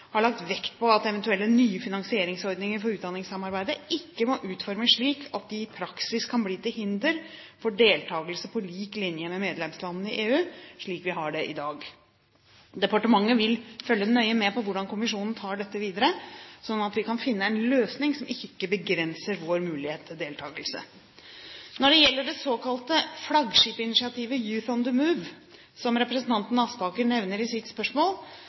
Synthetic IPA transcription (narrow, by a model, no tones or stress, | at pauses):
hɑɭɑk̚t̪ʋɛkt̪̚pɔɑt̪ɛʋɛnt̪ʉɛlːənyːəfɪnɑŋsɪeːɾɪŋsɔɾd̪nɪŋəɾfɔɾʉːt̪d̪ɑnɪŋsɑmɑɾbæɪd̪əʔɪkːəmɔʔʉːt̪fɔɾməʂɭiːkʰɑt̪̚d̪ɪpʰɾɑksɪskʰːɑnbliːt̪ɪlɦɪnd̪əɾ | fɔɖeːlt̪ʰɑːɡəlsəpʰɔliːklɪnjəmɛmeːd̪lɛmslɑnn̩əɪʔeːʉːʂɭiːkʋɪɦɑɖɛʔɪ̰d̪ɑːɡ | d̪ɛpɑʈəmɑŋːəʋɪlfœlːənœʏəmɛpɔʋʊɖɑnkʊmɪʂuːnn̩t̪ʰɑːɖɛt̪ːəʋiːd̪əɾəsɔnːɑt̪ʋɪkʰɑnfɪnːəæɪnløːsnɪŋsɔmɪkːəbəɡɾɛnsəɾʋoːɾmʉːlɪheːt̪ʰːd̪eːlt̪ʰɑːɡəlsə̰ | nɔɖɛjɛlːəɖɛsoːkʰɑlt̪əflɑɡʂiːpəɪnɪʂɪɑt̪ʰiːʋəjʉːθɔnd̪əmʉʋ | sɔmɾɛpɾəsən̩t̪ʰɑnt̪n̩ɑspɑːkəɳɛʋnəɾɪsɪt̪spœʂmoːl